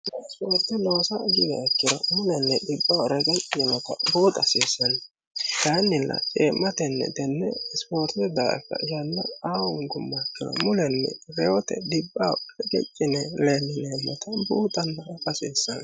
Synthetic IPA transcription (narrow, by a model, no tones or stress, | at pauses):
nɛspoːɾt̪ːɛnoːsɐɡɪd̪ɛɛkːɪd̪ɔmʊlɛnːɛd̪ɪbːawɾɛɡɛt͡ʃʼːɪɛnɔt̪ɐbuːt̪ʼɐsiːsːɐn | d̪̥ɐnːɪlːʔɐ̰t͡ʃʼeːmːɐt̪ɛnːɛ̰t̪ɛnːɛspoːɾt̪ɛd̪ɐʔɛ̰kːɐ̰jɐnːɐaːwʊŋɡʊmːɐkːɪd̪ɐ̰mʊlɛnːɛ̰ɾɛɔt̪ɛ̰d̪ɪbːawɾɛɡɛ̰t͡ʃʼːɪnɛlenːɪnɛmːɐt̪ɐbuːt̪ʼɐnːɐpʼɐsiːsːɐ̰n